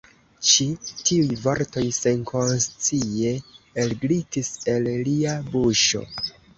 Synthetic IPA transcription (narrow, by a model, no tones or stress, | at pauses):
t͡ʃitiujvoɾto̞jse̞nkʰo̞nst͡sie̞elɡɾitise̞lliabuʃo̞̰